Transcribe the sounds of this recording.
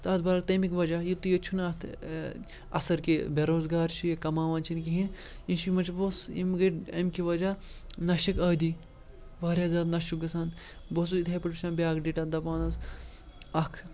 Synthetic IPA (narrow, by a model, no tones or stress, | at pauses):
t̪ɐːt̪bɐɾɐk̚t̪ɐmikʲʋɐd͡ʒajit̪ːujɐt͡ʃʰunat̪ʰ | ɐ̰sɐɾkibeɾoːzɡaːɾt͡ʃʰikɐmaːʋaːnt͡ʃʰinkiɦin | inʃimɐt͡ʃʰbosḭmɡɐʈɐ̰mʲkiʋɐd͡ʒaːnɐʃikɐːd̪i | ʋaːɾʲaːzaːd̪nɐʃukɡɐsaːn | bos̬uit̪ʰʲɐpɐʈuʃaːnbʲaːkɖiʈad̪ɐpaːnɐs | ɐkʰ